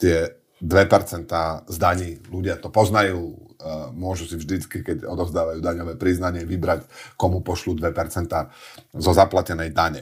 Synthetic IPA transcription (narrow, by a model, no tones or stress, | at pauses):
t̪ɪɛ | d̪ʋɛpɛɾt͡sɛnt̪aːzd̪aɲiːluɟɪat̪ɔpɔznajuː | mʊɔʒusivʒd̪it͡skikɛcɔd̪ɔʊzd̪aːʋajuːd̪aɲɔʋɛːpɾiznaɲɪɛʋibɾackɔmupɔʃluːd̪ʋɛpɛɾt͡sɛnt̪aːzɔzaplacɛnɛjd̪aɲɛ